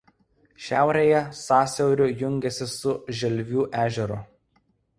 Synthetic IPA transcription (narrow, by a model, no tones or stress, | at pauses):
ʃʲæ̰ˑʊɾʲejɛsɑːsʲɛʊɾʲʊjʊŋʲɡʲɛsʲɪsʊʒʲɛlʲʋʲuːʔæːʒʲɛɾʊ̰